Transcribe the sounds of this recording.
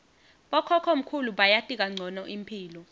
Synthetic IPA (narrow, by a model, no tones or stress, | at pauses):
ɓɔkʰɔkʰom̩kʰuluɓajatʼik̬ʼaŋ͡ǀʱɔnɔʔimpʰiːlɔ